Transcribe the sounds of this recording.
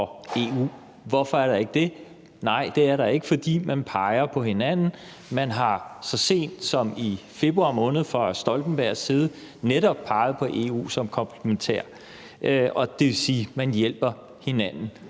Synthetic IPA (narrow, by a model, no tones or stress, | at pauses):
ɒe̝ːṵː | ʋɒfɒ̽æɐɾɑ̈e̝ɡ̥əd̥e̝ | nɑ̈ɪ̰d̥e̝æɐɾɑ̈e̝ɡ̥əfɒ̽d̥ḭːmænpʰɑ̈ɪɐpʰɒ̽ɦe̝nænn̩ | mænɦɑ̈sɒse̝̰ːnd̥sɒ̽mife̝b̥ʁuɑ̈mɔ̽ːnð̞̩ˠfɒsd̥ɒ̽ld̥n̩b̥æɐ̰siːð̞̩ˠ | neɾɒb̥̚pʰɑ̈ɪð̩ˠpʰɒ̽ʔe̝ːṵːsɒ̽mkʰɒ̽mpʰlement͡sʰḛɐ̰ | ʔøʔɒ̽d̥e̝ʋe̝siːmænjel̰b̥ɐ | he̝nænn̩